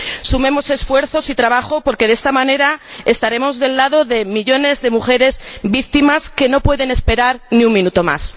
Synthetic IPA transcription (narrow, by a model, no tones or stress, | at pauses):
sumẽ̞mo̞se̞sfwe̞ɾθo̞sit̪ɾaβaxopo̞ɾke̞ðe̞st̪amãne̞ɾae̞st̪aɾe̞mo̞zðe̞lːaðo̞ðe̞miʎo̞ne̞zðe̞muxe̞ɾe̞zbik̚t̪imaske̞no̞pwe̞ðe̞ne̞spe̞ɾaɾniuŋmĩnut̪o̞ma̰s